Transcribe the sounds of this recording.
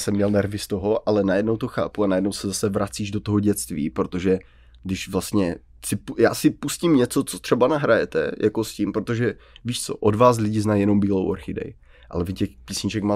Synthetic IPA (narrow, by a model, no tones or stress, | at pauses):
sɛmːɲɛlnɛɾvɪst̪o̞ɦo̞ʔalɛnajɛdno̞wt̪o̞xa̰ːpuanajɛdnowsɛzasɛvɾat͡siːʒdot̪oɦoɟɛtt͡st̪vḭːpɾot̪oʒɛ | ɡdɪʃvlast̪ɲɛ | sɪpjaːsɪpuscimɲɛt͡so̞t͡sot̪r̝̥ɛbanaɦɾajɛt̪ɛ̰jʔakoscimpɾot̪oʒɛ | viːʃt͡so̞ʔodvaːs̬lɪɟɪznajjɛno̞mbiːlowʔoɾxɪdɛ̰j | ʔa̰lɛvɪcɛxpiːsɲɪt͡ʃɛkma